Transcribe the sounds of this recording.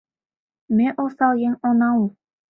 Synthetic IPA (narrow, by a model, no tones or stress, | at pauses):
meʔosɑlˠjeŋonɑu